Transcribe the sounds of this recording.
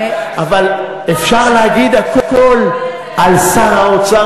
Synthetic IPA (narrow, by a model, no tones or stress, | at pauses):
aval | eʃaʁlaɡid̪akokol | alsaɾaot͡sa